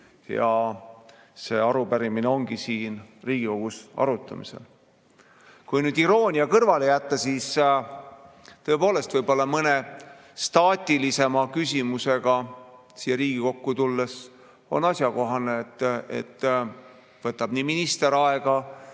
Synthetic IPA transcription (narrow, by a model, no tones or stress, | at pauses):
jɑ̰ | se̞ːɑɾupæɾimineo̞ŋɡ̥isiːnriːɡ̥iko̞ɡ̥usɑ̰ɾut̪ːˑɑ̰mḭsḛl | kujnyːd̪̥iɾo̞ːnʲiɑkɤrvɑlejæt̪ːɑsiːs | t̪ɤ̞epoːle̞st̪vɤjbo̞lːɑmɤne | st̪ɑːt̪ʲilise̞mɑkysʲimuse̞ɡ̥ɑ | sijeɾiːɡ̥iko̞kːut̪ulːes | o̞̰nɑsʲjɑko̞ɦɑnet̪ːˑḛt̪ː | vɤt̪ːˑɑb̥niːminist̪e̞ɾɑeɡɑ